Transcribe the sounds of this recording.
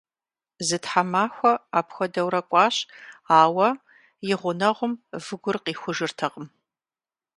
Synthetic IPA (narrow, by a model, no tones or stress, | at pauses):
zɨtħamaːxʷɔaːpxʷɔdɐwɾɐkʷʼɑːɕaːwɐ | jɪʁʷʊnɐʁʷʊmvɨɡʷʊrqiːxʷʊʒɨrtʰɐqəm